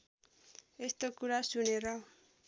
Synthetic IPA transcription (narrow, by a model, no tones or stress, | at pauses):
est̪okuɾasuneɾʌ